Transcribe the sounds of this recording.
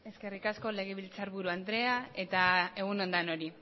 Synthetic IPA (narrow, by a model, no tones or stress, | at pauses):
e̞ske̞rikasko̞le̞ɣ̞e̞βilt͡saɾβuɾuand̪ɾe̞ae̞t̪ae̞ɣ̞uno̞nd̪ano̞ɾi